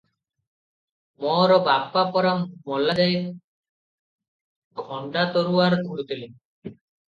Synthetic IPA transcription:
mɔɾɔbabːapɔɾamɔlːad͡ʒaj | ɡʱɔɳɖat̪oɾuaɾd̪ʱuut̪ili

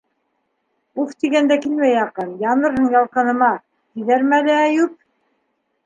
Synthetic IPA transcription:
uft̪iɡænd̪ækilmæjɑqɤnjɑnɤ̆ɾɤɴjɑlˠqɤ̆nɤ̆mɑ | t̪ĭðæɾmælɘːjʉp̚

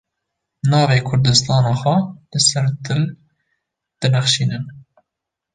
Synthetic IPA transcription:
nɑːveːkʰʊɾd̪ɨst̪ɑːnɑːxʷɛlɨsɛɾd̪ɨl | d̪̥ɨnɛxʃiːnɨn

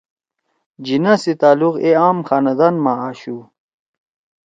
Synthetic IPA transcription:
d͡ʑinasit̪aːluqeaːmxaːnɐd̪anmaaːɕu

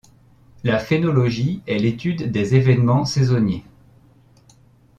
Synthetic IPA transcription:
lafenɔlɔʒiɛlet̪yd̪ːezevɛnmɑ̃sezɔnje

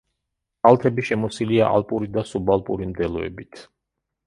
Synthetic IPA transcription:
alˠt̪ʰɛbiʃɛmɔsiliaʔa̰lˠpʼuɾid̪asubalˠpʼuɾimd̪ɛlˠɔɛ̰bit̪ʰ

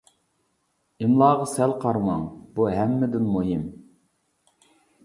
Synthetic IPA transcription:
ɪmlˠɑːʁɑsɛlqʰɑɾmɑŋbuɦæmːɪd̪ɪnmoɦim

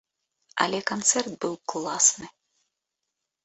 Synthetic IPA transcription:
ɐ̰lʲɛkant̪sɛrt̪̚bɨwklˠasnɨ

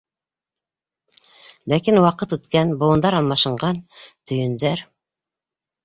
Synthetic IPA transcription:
lækinwɑqɤt̪ɵt̪kænbowɤ̆nd̪ɑɾɑlˠmɑʃɤ̆ɴʁɑnt̪ʰɵ̆jɵ̆nd̪æɾ

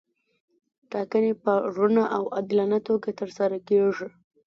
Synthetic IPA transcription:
ʈɑkənepəɾunaʔawad̪lanat̪oɡat̪əɾsaɾakeʐi

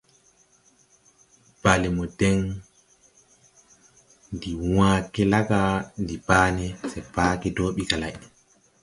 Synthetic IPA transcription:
b̥alɛmɔdɛn | ndiwaːkɛlaɡandipaːnɛsɛpaːkɛdoːɓikalaʔ

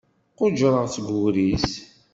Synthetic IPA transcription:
qʊd͡ʒɾˤəʁt͡sɡuɾis

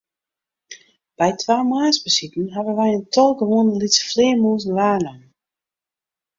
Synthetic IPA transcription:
b̥ɛjtʋaːmaːsbəsitn̩ɦavənʋɛjəntʰɔlˠɡəʋoːəndəlisə̥flɪːmuːzn̩ʋaːnəm

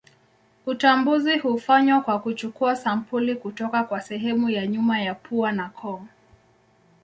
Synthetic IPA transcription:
ut͡ʃambuzihufaɲwakwakut͡ʃukuasam̩pulikutɔkakwasɛɦɛmujaɲumajapʰuanakʰɔŋ

